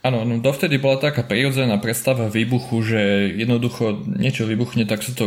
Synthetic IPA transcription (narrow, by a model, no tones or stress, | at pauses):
aːnɔnɔd̪ɔft̪ɛd̪ibɔlat̪akaːpɾiɾɔd͡zɛnaːpɾɛt̪st̪aʋaʋiːbuxuʒɛjɛd̪nɔd̪uxɔɲɪɛt͡ʃɔʋibuxɲɛt̪aksat̪ɔ